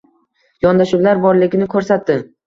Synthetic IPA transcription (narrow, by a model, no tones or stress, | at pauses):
jɒnd̪aʃulaɾbɒɾlɪɡʲɪnɪkʰɵɾsat̪ːɪm